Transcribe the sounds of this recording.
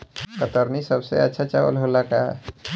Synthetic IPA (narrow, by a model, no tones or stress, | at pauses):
kət̪əɾnisəbsḛə̰tːʃʰat͡ʃawə̰lɦolakaɦɛ̰